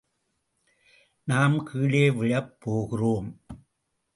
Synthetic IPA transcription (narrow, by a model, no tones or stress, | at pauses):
naːmkʰɯːɭeːʋɪɻɐpːoːɣɯroːm